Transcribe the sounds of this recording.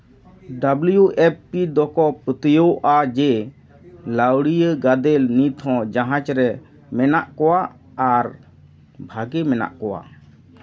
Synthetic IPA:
ɖabljuʔepːid̪ɔkɔpət̪əjoʔad͡ʒɛ | lawɽijəɡad̪ɛlnit̪ɦɔ̃d͡ʒaɦãt͡ʃɾɛ | mɛnaʔkɔwaː | ɾ | bʱaɡɛmɛna̰ʔkɔwa̰

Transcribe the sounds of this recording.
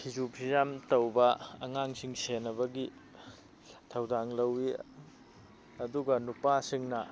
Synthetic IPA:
hʰizupʰizamtɐwbɐɐ̰ŋaŋsiŋsenːɐβɐɡi | tʰɐwdaŋlɐwi | ɐduɡɐnupasiŋnɐ

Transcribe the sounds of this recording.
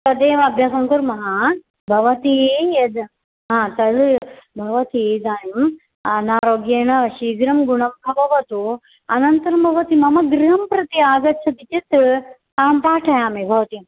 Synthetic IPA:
t̪ɐd̪eːʋɐɐbʱjaːsɐŋkuɾmɐɦɐ | bʱɐʋɐt̪ied̪ | ɦãːt̪ɐɽbʱɐʋɐt̪id̪aːjɐm | naːɾoːɡjeːɳɐʃiːɡɾɐmɡuɳɐmbʱɐbɐʋɐt̪u | ɐnɐnt̪ɐɾɐmbʱɐʋɐt̪imɐmɐɡɾiɦɐmpɾɐt̪iaːɡɐt̪ːt͡ʃʰɐd̪it͡ʃit̪ɾɨ | aːmpaːʈʰɐjaːmebʱɐʋɐt̪im

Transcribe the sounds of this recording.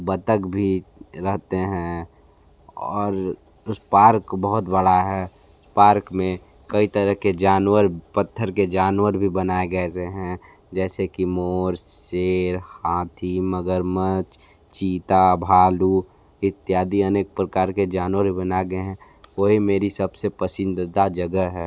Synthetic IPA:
bət̪əkbʱiɾəɦt̪eɦɛ̃ | ɔːɾ | ʊspaːɾkbəɦʊt̪bəɽaɦɛ | ʊspaːɾkmẽ | kɐit̪əɾəɦked͡ʒaːnwəɾpət̪ʰːəɾked͡ʒaːnwəɾbʱibənaːeɡɛseɦɛ̃ | d͡ʒɛːsekimoːɾseːɾhãːt̪ʰiməɡəɾmət͡ʃ | t͡ʃiːt̪abʱaːlu | ɪt̪ːjaːd̪iɐneːk̚pɾəkaːɾked͡ʒaːnwəɾbʱibənaɡəɦɛ̃ | ʋoɦimeːɾisɐbsepəsɪ̃nd̪d̪ad͡ʒɐɡəɦɛː

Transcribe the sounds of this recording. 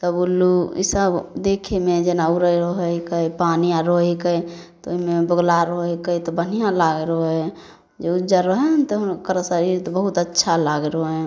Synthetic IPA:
t̪ɔbulːuḭsəbd̪ekʰemed͡ʒenauɾəjɾɔɦəjkəpaniãɾoɦekət̪ɔoɦimebəɡlaɾoekəit̪ɔbənijãlaɡeɾoɦ | d͡ʒeud͡ʒəɾəɦɛnt̪ɔɦkəɾəsəɾiɾt̪ɔbəɦut̪ətːʃʰalaɡɾoɛ̃

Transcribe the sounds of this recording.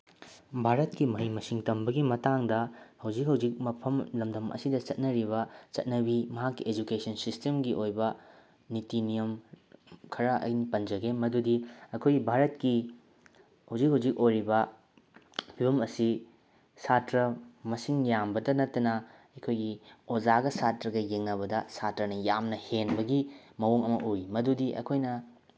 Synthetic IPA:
bʱaɾɐt̚kimɐɦijmɐsiŋtɐmbɐɡimɐtaŋdɐhɐwd͡ʒik̚ɦɐwd͡ʒik̚mɐpʰɐmlɐmdɐmʔɐ̰sidɐt͡ʃɐt̚nɐɾiβɐt͡ʃɐ̰t̚nɐbimɐɦakːied͡ʒukesʰɐnsistemɡiʔojbɐ | nitinijɐm | kʰɐɾɐʔɐ̰jnipɐnd͡ʒɐɡemɐdudiɐkʰojɡibʱaɾɐt̚ki | huzik̚huzik̚ojɾibɐ | pʰibɐmɐsi | satɾɐmɐsiŋjambɐdɐnɐtːɐnɐ | ɐjkʰojɡiod͡ʒaɡɐsatɾɐɡɐjeŋnɐβɐdɐsatɾɐnɐjamnɐhenbɐɡimɐwoŋɐmɐʔuimɐdudiʔɐ̰kʰojnɐ

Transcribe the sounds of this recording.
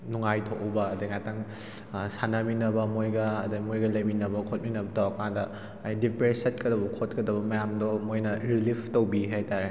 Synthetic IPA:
nuŋajtʰoʔubɐːdɐjŋatʰaŋ | sanɐminɐbɐmojɡɐːdɐjmojɡɐlɐjminɐbɐkʰot̚minɐbɐtʰawkandɐː | jdipɾesɐt̚kɐdɐbɐkʰot̚kɐdɐbɐmɐjamdɔmojnɐɾilipʰtowbiɦajtaɾe

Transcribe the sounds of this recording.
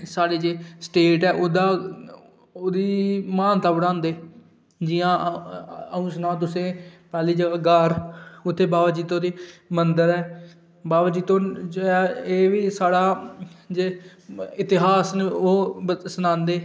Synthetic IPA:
saːɽeːd͡ʒeːsʈeːʈɛːʔod̪aː | oːd̪iːmãːnt̪aːbəɽãːnd̪eː | d͡ʒɪjãː | əũːsnãːt̪ʊsẽːpɛːliːd͡ʒəɡaːɡəɾʊt̪ʰːeːbaːbaːd͡ʒiːt̪õːd̪iːmənd̪əɾɛː | baːbaːd͡ʒiːt̪õːd͡ʒɛeːʋiːsaːɽaːd͡ʒeːɪt̪ɪɦaːsnoːsənãːnd̪eː

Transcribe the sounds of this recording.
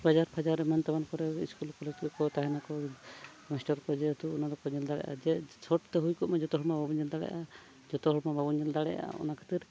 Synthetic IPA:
bad͡ʒaɾpʰad͡ʒaɾɛmant̪abankɔɾɛḭskulkɔletikɔt̪aɦɛnakɔ | mɛsʈɔɾkɔd͡ʒɛt̪uɔnad̪ɔkɔɲɛld̪aɽɛ̰jʔa̰d͡ʒɛt͡ʃʰɔʈt̪ɛɦujkɔmad͡ʒɔt̪ɔɦɔɽmababɔɲɛld̪aɽɛ̰ʔa | d͡ʒɔt̪ɔɦɔɽmababuɲɛld̪aɽɛ̰ja̰ɔ̰nakʰḁt̪iɾ

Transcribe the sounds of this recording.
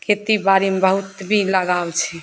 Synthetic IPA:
kʰet̪ibaɾimebəɦut̪bʱiləɡawt͡ʃʰɛ

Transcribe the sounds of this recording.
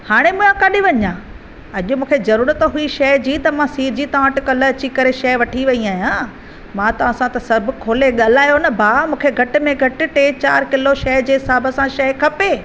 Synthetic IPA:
haːɽ̃emũːãkɐɗiʋɐɲãː | ɐʄʊmũːkʰezɐɾuːɾət̪ɦʊiʃɐɦd͡ʑiːt̪ɐmãsiːɾd͡ʑiːt̪ɐ̃aʈɪkɐləɐt͡ɕikɐɾeʃɐɦʋɐʈʰiʋɐiaːjãː | mãːt̪ɐʋãsãt̪ɐsɐɾbʱɪ̆kʰoːleɠaːlaːjonɐbʱaːmũːkʰeɡʱɐʈɪ̆mẽɡʱɐʈɪ̆ʈeːt͡ɕaːɾkɪloʃɐɦd͡ʑeːɦɪsaːbəsãʃɐɦkʰɐpeː

